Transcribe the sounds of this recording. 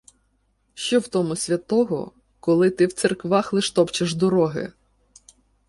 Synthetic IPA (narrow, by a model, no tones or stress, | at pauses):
ʃt͡ʃɔwt̪ɔmʊsʲʋʲɐt̪ɔɦɔ̰ | kɔlˠɪt̪ɪwt̪serkʋɑxlˠɪʃt̪ɔpt͡ʃɪʒd̪ɔɾɔɦɪ̰